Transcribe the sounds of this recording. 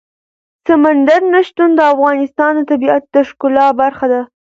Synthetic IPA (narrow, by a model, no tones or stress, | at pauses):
samand̪aɾnaʃt̪und̪əafɣɑnɪst̪ɑnd̪ət̪abiat̪̚d̪əʃkʊlɑbaɾxad̪a